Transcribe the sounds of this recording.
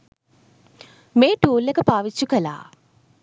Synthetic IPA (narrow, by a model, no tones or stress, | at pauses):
meːʈuːlːekəpaːʋit͡ʃːukəla̰ː